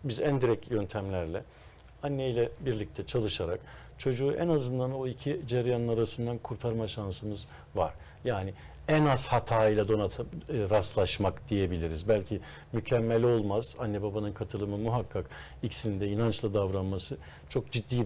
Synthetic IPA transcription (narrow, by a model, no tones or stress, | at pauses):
bizænd̪iɾɛcjønt̪ʰæmlʲæɾlʲɛ | anːejlʲɛbiɾlʲic̚t̪ʰɛt͡ʃʰalˠɯʃaɾak | t͡ʃʰo̞d͡ʒuːʔɛnazɯnd̪ano̞icʰid͡ʒaɾjanɯnaɾasɯnd̪ankʰuɾt̪ʰaɾmaʃansɯmɯz | va̰ɾ̥ | jaːnɪ | ɛnazhat̪ʰaːijlʲˠad̪o̞naɾast̪lˠaʃmakd̪̥ije̞bilʲiɾizbælʲcʰi | mycʰɛmːelʲo̞lˠmaz̥anːɛbabanɯnkʰat̪ʰɯlˠɯmɯmuɦakʰːak | icsinind̪ɛinant͡ʃlˠad̪avɾanmasɯ | t͡ʃʰo̞k̚d͡ʒid̪ːiː